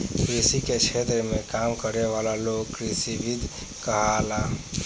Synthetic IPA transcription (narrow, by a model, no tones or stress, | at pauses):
kɾisiket͡ʃʰet̪ɾəmekamkəɾeʋalalokkɾisibid̪ʱ | kəɦala